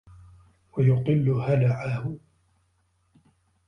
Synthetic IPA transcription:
wajʊt̪ˤɨlːʊhalaʕahʊ

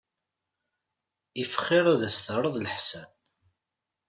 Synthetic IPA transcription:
ifə̥χːɪɾˤaðəsθəɾˤəðˤləħsæ

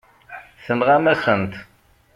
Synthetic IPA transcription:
θənʁamæsənt̪

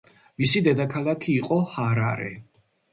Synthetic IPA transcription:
misid̪ɛd̪akʰalˠakʰiːqʼɔhaɾaɾɛ̰

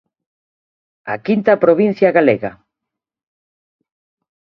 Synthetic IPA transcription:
akint̪ɐpɾoβin̟θjɐɣaleɣɐ

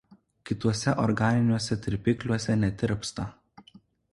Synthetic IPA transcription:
kʲɪt̪uɔsʲɛʔɔɾɡɑːnʲɪnʲuɔsʲɛt̪ʲɾʲɪpʲɪklʲuɔsʲɛnʲɛt̪ʲɪɾʲpst̪ɐ

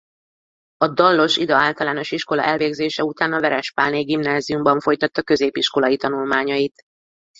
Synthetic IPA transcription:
ɒd̪ɒlːo̞ʃid̪ɒaːlt̪ɒlaːno̞ʃiʃko̞lɒ̰ʔɛlveːɡzeːʃɛut̪aːnɒvɛɾɛʃpaːlneːɡimnaːzijumbɒɱfo̞jt̪ɒt̪ːɒkø̞zeːpiʃko̞lɒjit̪ɒnulmaːɲɒjit̪

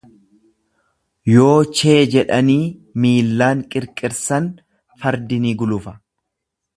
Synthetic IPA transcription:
jo̞ːt͡ʃe̞ːd͡ʒɛᶑɐniːmiːlːaːŋkʼɪɾkʼɪɾsɐn | fɐɾd̪ɪniːɡʊlʊfɐ̥

